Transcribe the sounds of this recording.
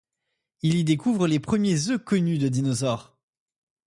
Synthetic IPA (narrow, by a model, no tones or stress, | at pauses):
ilid̪ekuvʁəlepχəmjezøkɔnyd̪əd̪inɔzɔʁ